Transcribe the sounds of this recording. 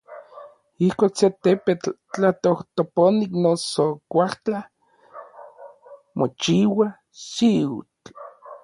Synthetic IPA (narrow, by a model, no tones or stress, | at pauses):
ihkʷokset̪epet͡ɬt͡ɬat̪oht̪oponiknosokʷaht͡ɬa | mot͡ʃiwa | siṵt͡ɬ